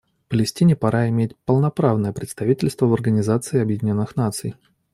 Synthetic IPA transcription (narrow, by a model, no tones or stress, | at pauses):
fpəlʲɪsʲtʲinʲɪpɐɾaɪmʲet̚ʲpəlˠnɐpɾavnəjəpɾʲɪt̪st̪ɐvʲitʲɪlʲst̪vəvɐrɡənʲɪzat̪sɨɪɐbjɪdʲɪnʲo̞nːɨxnat̪sɨj